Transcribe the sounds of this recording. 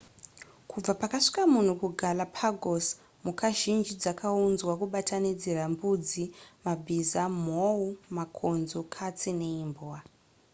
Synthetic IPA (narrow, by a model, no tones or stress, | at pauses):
kʰub͡vapakaʂi̥kamun̤ukuɡʱalapʰaɡos | mukʰaʒind͡ʒid͡zakaunzwakuɓatʰanid͡zerambud͡zimabʱizamoumakʰonzokʰat͡sine̞imbowa